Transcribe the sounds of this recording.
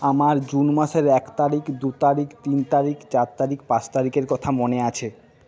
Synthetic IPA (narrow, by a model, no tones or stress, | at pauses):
amaɾd͡ʑunmaʃeɾɛkt̪aɾikd̪ut̪aɾikt̪int̪aɾikt͡ɕaɾt̪aɾikpãt͡ɕt̪aɾikeɾkɔt̪ʰamoneat͡ɕʰe